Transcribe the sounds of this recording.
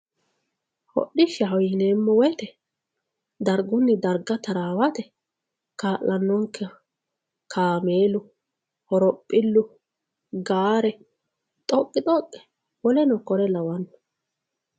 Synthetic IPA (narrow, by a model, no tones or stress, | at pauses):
hɔ̰ɗːɪʃɛɦɔjɪneːmːɔwɔt̪ɛ | d̪ɐɾɡʊnːɪd̪ɐɾɡɐt̪ɐɾaːwɐt̪ɛ | kaːʔɐnːɔŋkʰːɛ | kʰaːmeːlʊ | hɔɾɔpʼːɪlːʊ | ɡaːɾɛ | t̪ʼɔkʼːɪt̪ʼɔkʼːɛ̥ | wɔlɛnɔkɔɾɛlɐwɐnːɔ̥